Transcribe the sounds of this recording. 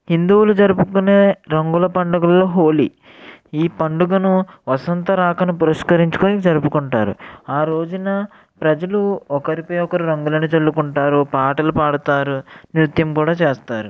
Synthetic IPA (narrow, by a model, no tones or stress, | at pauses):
hind̪uwulud͡ʒɐɾupukuneːɾɐŋɡulɐpɐɳɖɐɡɐlloːɦo̞ːli | iːpɐɳɖuɡɐnuʋɐsɐnt̪ɐɾaːkɐnupuɾɐʃkɐɾiɲt͡ʃu̥koːnid͡ʒɐɾupukuɳʈaːɾṵaːɾo̞ːd͡ʒunɐ | pɾɐd͡ʒɐluɔkɐɾipoːjɔkɐɾiɾɐŋɡulɐnit͡ʃɐlːukuɳʈaːɾupaːʈɐlupaːɽut̪aːɾunɾut̪jɐmkuːɽaːt͡ʃeːst̪aːɾu